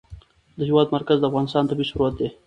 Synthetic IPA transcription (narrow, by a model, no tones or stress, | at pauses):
d̪əhɪwɑd̪maɾkazd̪əafɣɑnɪst̪ɑːnt̪abiʃʊɾuat̪̚d̪e